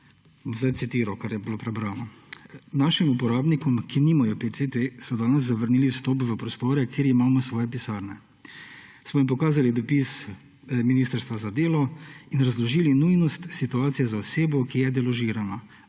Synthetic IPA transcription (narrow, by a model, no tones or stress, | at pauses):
zd̪aj̪sit̪iːɾɔkaɾjɛbilopɾɛbɾaːnɔ | naːʃimupɔɾaːbnikɔmkiniːmajɔpeset̪esɔd̪aːnɛz̬zːaʋəɾniːliwst̪ɔːpʋəpɾɔst̪oːɾɛkʰeːɾimaːmɔsʋɔːjɛpisaːɾnɛ | smɔjimpɔkaːzalid̪ɔpis | miniːst̪əɾst̪ʋazad̪eːlɔinɾazlɔʒiːlinujnɔst̪sit̪uaːt̪sijɛzaɔseːbɔkijɛd̪ɛlɔʒiːɾana